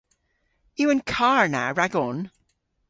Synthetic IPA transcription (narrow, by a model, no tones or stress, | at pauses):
jəə̃nkʰaɹna̰ɹaɡɔn